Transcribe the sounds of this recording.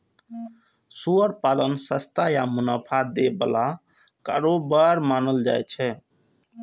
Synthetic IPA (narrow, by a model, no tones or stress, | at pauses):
suəɾpalənsəst̪ajamunapʰad̪ebəla | ka̰ɾobaɾmanəld͡ʒa̰jt͡ʃʰɛ